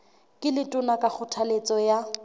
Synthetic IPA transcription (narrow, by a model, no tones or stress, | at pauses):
kʼɪlɪtʼʊnakʼak͡xʰʊtʰalet͡sʼɔja